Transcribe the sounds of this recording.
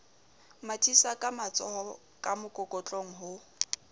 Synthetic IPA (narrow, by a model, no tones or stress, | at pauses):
matʰisakʼamat͡sʼɔhɔ | kʼamʊkʼɔkʼɔt͡ɬʼoŋ̩ɦʊ